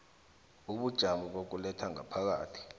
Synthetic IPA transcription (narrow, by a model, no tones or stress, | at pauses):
uɓud̥ʒ̥ʱamɔɓok̬ulɛtʰaŋa̰pʰak̬a̰ːtʰi̥